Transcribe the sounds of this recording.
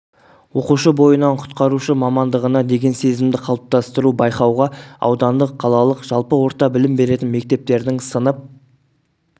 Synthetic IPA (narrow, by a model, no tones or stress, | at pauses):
wo̞quʃəbo̞jənɑɴqʰʊ̥t̪qɑɾuʃəmɑmɑnd̪əʁənɑd̪e̞ɡʲe̞nse̞zɪmd̪ɪqʰɑlˠəp̚t̪ɑst̪əɾubɑjqɑwʁɑɑ̰wd̪ɑnd̪əqʰːɑlˠɑlˠəqʒ̥ɑlˠpəwo̞ɾt̪ɑbɪlɪmbe̞ɾe̞t̪ɪnme̞k̚t̪e̞p̚t̪e̞ɾd̪ɪŋsənəp̚